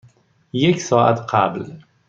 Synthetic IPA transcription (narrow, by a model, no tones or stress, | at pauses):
jekʲsɒːʔa̰t̪qʰabl